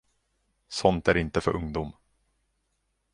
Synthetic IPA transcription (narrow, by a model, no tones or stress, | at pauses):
sɔnt̪æɾɪnt̪əfœɾʔɵŋd̪um